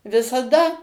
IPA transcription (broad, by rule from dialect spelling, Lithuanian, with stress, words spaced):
ʋʲɪsɐˈdɐ